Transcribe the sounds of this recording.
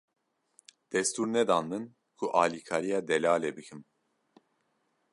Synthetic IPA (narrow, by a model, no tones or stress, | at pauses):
d̪̥ɛst̪ʰuɾnɛd̪anːɨn | kʰuʔaːlikʰaɾijad̪ɛlaːlɛbikʰim